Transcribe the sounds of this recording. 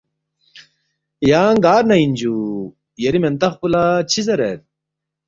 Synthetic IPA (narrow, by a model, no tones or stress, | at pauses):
jaːŋɡaːɾnɐind͡ʑu | jeɾiment̪ɐχpulat͡ɕʰizɐɾet̪